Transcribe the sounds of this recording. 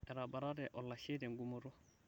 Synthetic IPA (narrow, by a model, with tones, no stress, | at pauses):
ɛ˨ɾaba˨ɾa˦dɛ˨ʔɔ˨lːa˨ʃe˦dɛ˨ŋɡu˦mo˨ɾo˦